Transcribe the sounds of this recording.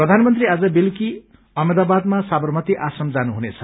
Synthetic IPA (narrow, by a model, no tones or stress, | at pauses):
prʌd̪ʱanmʌnt̪riad͡zʌbilki | ʌmed̪abad̪̚masabʌrmʌt̪iʔasʌmd͡zanuɦunet͡sʰʌ̥